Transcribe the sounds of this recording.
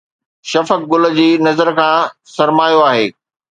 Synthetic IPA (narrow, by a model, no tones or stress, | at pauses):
ʃɐfək̚ɡʊlə̆d͡ʑiːnɐzəɾkʰãːsɐɾmaːjoaːɦeː